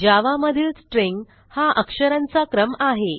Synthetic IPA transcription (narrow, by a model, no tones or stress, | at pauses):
d͡ʑaʋaməd̪ʱiːlsʈɾiŋɡ | haʔəkʂəɾãnt͡sakɾəmaɦe